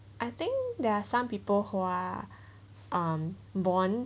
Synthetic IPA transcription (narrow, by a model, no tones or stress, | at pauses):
ʔajt̪ɪ̃ŋkd̪ɛasãmpipəlhua | ʔãm | bɔ̃n